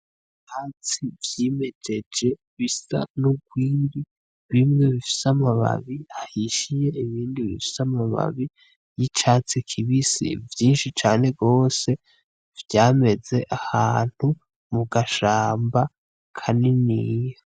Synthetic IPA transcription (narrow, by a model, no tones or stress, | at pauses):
t͡ʃaːt͡sivjiːme̞d͡ʒe̞d͡ʒe̞ | βisa̰nuɡwiːndi | βimŋe̞βifi̥samaβa̰βiahiʃije̞iβiːndiβḭfi̥samaβa̰βi | jit͡ʃaːt͡sikʰiβisḭvjiːnʃit͡ʃaːne̞ɡo̞ːse̞ | vjaːme̞ze̞ʔahaːn̥hu | muɡaʃaːmba | kʰaninija